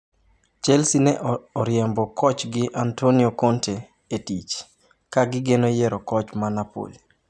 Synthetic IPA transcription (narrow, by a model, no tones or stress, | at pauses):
t͡ʃɛlsinɛʔɔɾjɛmbɔkʰɔt͡ʃɡɪʔantoniokontʰe | etit͡ʃ | kaɡɪɡenojɛɾɔkɔt͡ʃmanapo̰li